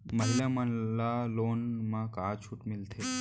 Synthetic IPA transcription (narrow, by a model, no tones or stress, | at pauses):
məɦiljãmənlalonmãkat͡ɕʰuːʈmilt̪ʰe